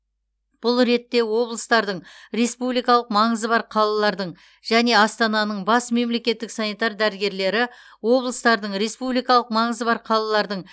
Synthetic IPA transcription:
b̥ʊlˠɾe̞t̪ːe̞wo̞blˠəst̪ɑɾd̪əɴɾe̞spublijkɑlˠəqmɑɴəzəbɑɾqʰɑlˠɑlˠɑɾd̪əɴ | ʒ̥æne̞ɑst̪ɑnɑnəɴbɑsme̞mle̞kʲe̞t̪ːɪksɑnijt̪ɑɾd̪æɾɪɡʲe̞ɾle̞ɾɪ | wo̞blˠəst̪ɑɾd̪əɴɾe̞spublijkɑlˠəq̚mɑɴəzəbɑɾqʰɑlˠɑlˠɑɾd̪əɴ

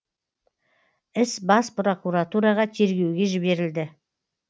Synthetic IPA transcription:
ɪsbɑspro̞kuɾat̪uɾɑʁɑt̪ʰe̞ɾɡʲe̞wɡʲe̞ʒɪbe̞ɾɪld̪ɪ

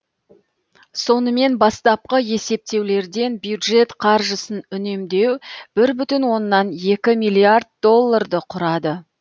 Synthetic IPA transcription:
so̞nəme̞nbɑst̪ɑp̚qəje̞se̞p̚t̪e̞wle̞ɾd̪e̞nbjud̪ʒe̞t̪qʰɑɾʒəsənʏne̞md̪e̞wb̥ɪɾbʏt̪ɪnwo̞nːɑnje̞kʲɪmijlʲˠiard̪̚d̪o̞lˠːard̪əqʰʊɾɑd̪ə

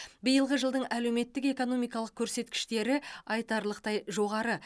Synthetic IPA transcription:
bijəlˠʁəʒəlˠd̪əɴʔæle̞wme̞t̪ːɪke̞ko̞no̞mijkɑlˠəq̚kʲʰɵɾse̞t̪kʲɪ̥ʃt̪e̞ɾɪɑjt̪ɑɾlˠəqt̪ɑjʒo̞ʁɑɾə

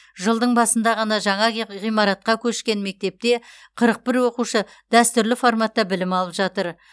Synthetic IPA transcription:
ʒəlˠd̪əɴbɑsənd̪ɑʁɑnɑʒɑɴɑʁijmɑɾɑt̪̚qɑkʲʰɵʃkʲe̞nme̞k̚t̪e̞p̚t̪e̞ | qʰəɾəq̚bɪɾwo̞quʃə | d̪̥æst̪ʏɾlɪfo̞rmat̪ːɑbɪlɪmɑlˠəpʒɑt̪əɾ

